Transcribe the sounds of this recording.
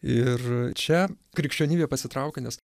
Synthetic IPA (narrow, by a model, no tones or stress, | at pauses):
ɪrt͡ʃʲɛ | kɾʲɪkʲʃʲt͡ʃʲoːnʲiːbʲeːpɐsʲɪt̪ɾɐʊkʲenʲɛs